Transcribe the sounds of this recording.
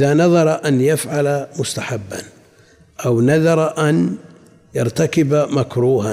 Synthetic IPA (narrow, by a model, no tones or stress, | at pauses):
ʔɪðanɑðˤɑɾˤɑʔanjafʕalamʊst̪aħabːa̰n | ʔawnɑðɑɾˤɑʔan | jɑɾˤt̪akɪbamakɾuːha